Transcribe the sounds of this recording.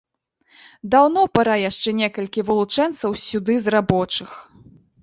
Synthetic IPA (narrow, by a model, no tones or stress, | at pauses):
d̪awnɔpaɾajaʂt͡ʂɛnʲɛkɐlʲkʲivɨlˠut͡ʂɛnt̪sɐwsʲud̪ɨzrabɔt͡ʂɨx